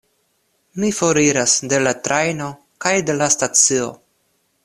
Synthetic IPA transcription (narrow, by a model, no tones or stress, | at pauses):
mifoɾiɾasde̞latɾajno̞ | kajde̞lastat͡sio̞̰